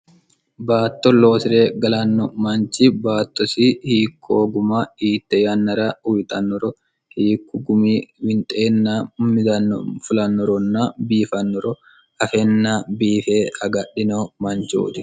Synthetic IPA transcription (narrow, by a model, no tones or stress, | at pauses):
baːt̪ːɔlo̞ːsɪɾeːɡɐlɐnːɔmɐnt͡ʃiːbaːt̪ːɔsiːhiːkʰːoːɡʊmaiːt̪ːɛjɐnːɐɾaːʊwɪt̪ʼɐnːɔɾɔ | hiːkːʊɡʊmiːwɪnt̪ʼeːnːaːmːɪd̪ɐn̰ːfʊlɐnːɔɾɔnːaːbiːfɐnːɔɾɔ | ɐfɛnːaːbiːfeːɐɡɐɗːɪnoːmɐnt͡ʃo̰ːt̪ɪ̥